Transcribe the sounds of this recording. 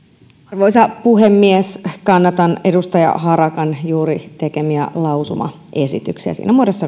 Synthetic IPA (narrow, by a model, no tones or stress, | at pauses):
rʋoisɑpuɦemːieskɑnːɑt̪ɑnedust̪ɑjɑ̰ɦɑɾɑkɑnjuːɾit̪ekemiæ̰lɑusumɑ̰ | ʔe̞sit̪yksiæ̰sḭːnæmuodesːɑ